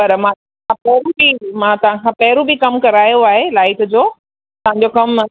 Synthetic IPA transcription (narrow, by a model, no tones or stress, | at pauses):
ɐɾmãːɐ | ãpɐɦɾũbimãːt̪ɐʋ̤ãkʰãːpɐɦɪɾũbikɐmkɐɾaːjoaːɦelaːɪʈ̆d͡ʑoː | t̪ɐʋ̤ãɲ̆d͡ʑokɐm